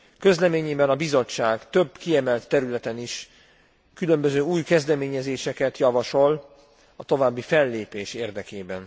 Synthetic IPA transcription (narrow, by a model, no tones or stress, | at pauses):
kø̞zlɛmeːɲeːbɛnɒbizo̞t͡ʃːaːɡt̪ø̞bkiɛmɛlt̪ːɛɾylɛt̪ɛniʃ | kylø̞mbøzøːuːjkɛzd̪ɛmeːɲɛzeːʃɛkɛt̪jɒvɒʃo̞l | ɒt̪o̞vaːbːifɛlːeːpeːʃeːrd̪ɛkeːbɛn